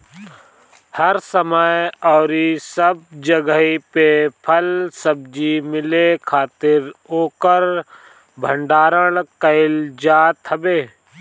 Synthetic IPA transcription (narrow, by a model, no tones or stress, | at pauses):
həɾsəməjɔːɾisəb̚d͡ʒəɡəɦipepʰəlsəb̚d͡ʒimɪlekʰaːt̪ɪɾoːkəɾ | bʱə̃ɳɖaːɾəɽkəɪld͡ʒaːt̪ɦɐbeː